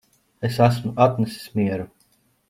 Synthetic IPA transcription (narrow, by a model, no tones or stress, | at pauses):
esæs̬mʊat̪nɛsi̥smiɛɾu